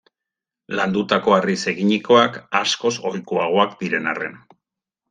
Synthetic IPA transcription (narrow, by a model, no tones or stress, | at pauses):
land̪ut̪ako̞arise̞ɣiɲiko̞akasko̞so̞jkoaɣ̞o̞akd̪iɾe̞na̰re̞̰n